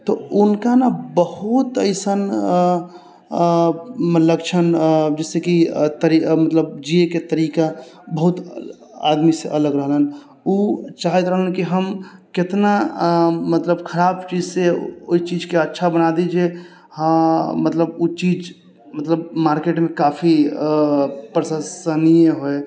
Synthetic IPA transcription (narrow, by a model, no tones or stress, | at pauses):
t̪ɔunkanabəhut̪əɪsən | mələkt͡ʃʰənd͡ʒɛsekit̪əɾimət̪ləbd͡ʒieket̪əɾikabəɦut̪ | a̰d̪miseʔələɡɾəɦlən | ut͡ʃaːɦɛt̪ɾəɦlənkiɦəmket̪na | mət̪ləbkʰəɾaːbt͡ʃid͡ʒseo̰it͡ʃid͡ʒkeətːʃʰabənad̪id͡ʒe | hmət̪ləbut͡ʃiːd͡ʒ | mət̪ləbmaːɾkeʈmẽkapʰi | pɾəsəsənieɦoe